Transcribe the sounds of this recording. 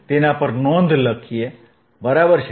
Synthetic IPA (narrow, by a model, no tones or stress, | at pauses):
t̪enapəɾnõnd̪ʱləkʰije | bɐɾaːbəɾʃ